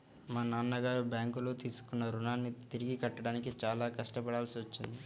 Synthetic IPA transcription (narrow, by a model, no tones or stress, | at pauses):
maːnaːnːɐɡaːɾubjaːŋkulo̞ːt̪iːsu̥kunːɐɾunaːnːit̪iɾiɡikɐʈːɐɽaːnik̬it͡ʃaːlaːkɐʂʈɐpɐɽaːlsiʋɐt͡ʃːind̪i